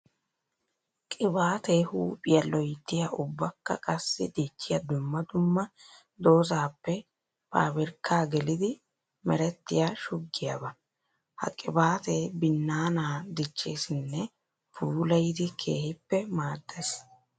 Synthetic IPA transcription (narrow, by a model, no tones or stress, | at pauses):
kʼɪbaːt̪eːhuːpʼɪjɐlɔjt̪ːɪjaʔʊbːɐkːɐ̰kʼɐsːɪ̰d̪iːt͡ʃːɪjɐd̪ʊmːɐd̪ʊmːɐ | d̪o̞ːzaːpːɛ | pʰa̰ːbɪɾkːaːɡɛlɪd̪ɪ | mɛɾɛt̪ːɪjaʃʊɡːɪja̰bɐ | hɐ̰kʼɪbaːt̪e̞ːbɪnːaːnaːd̪ɪt͡ʃːeːsɪnːɛ | pʰuːlɐjɪd̪ɪkʰe̞̰ːhɪpːɛmaːd̪ːes